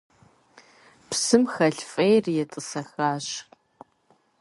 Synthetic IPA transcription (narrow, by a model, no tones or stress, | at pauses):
psɨmxɐɬfʼejrjɛtʼɨsɐxaːɕq